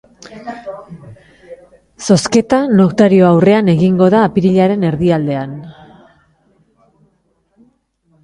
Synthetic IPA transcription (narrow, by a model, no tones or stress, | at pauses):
so̞ske̞t̪anokt̪aɾio̞awre̞ane̞ɣiŋɡo̞ðaːpiɾiʎaɾe̞ne̞ɾðiald̪e̞an